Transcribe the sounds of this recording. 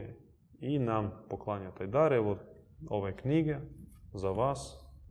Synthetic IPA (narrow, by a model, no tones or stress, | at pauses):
inampoklˠaɲat̪ajd̪aɾɛʋooʋekniɡezaʋas